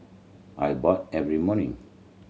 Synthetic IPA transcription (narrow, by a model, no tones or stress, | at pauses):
ʔa̰jbɔtɛvɹimɔnḭ̃ŋ